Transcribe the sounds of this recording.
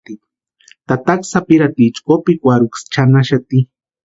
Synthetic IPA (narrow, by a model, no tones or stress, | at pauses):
t̪i | t̪at̪aksapiɾat̪it͡ʃkopikʷaɾukst͡ʃanaʃat̪i